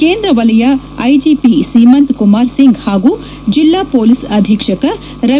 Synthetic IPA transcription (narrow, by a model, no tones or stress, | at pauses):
keːnd̪ɾɐʋɐlɐjɐ | ɐjd͡ʒiːpisiːmɐnt̪kumaːɾsiŋɡhaːɡuː | d͡ʒilːaːpoːlisɐd̪ʱikʂɐkɐ | ɾɐ